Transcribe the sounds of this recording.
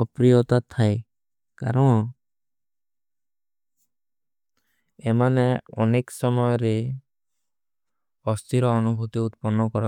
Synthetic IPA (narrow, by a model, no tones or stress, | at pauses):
ɔpɾijɔt̪at̪ʰae | kaɾɔn | emaneɔneksɔmɔjɔɾe | ɔst̪iɾɔːnubʱut̪iut̪̚pɔnːɔkɔɾɔ